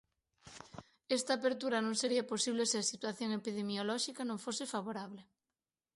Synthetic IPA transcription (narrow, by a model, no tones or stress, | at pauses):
est̪aːpeɾt̪uɾanõŋseɾiaposiβ̞leseasit̪waθjoŋepiðemjolɔʃikanõŋfosefaβ̞oɾaβ̞le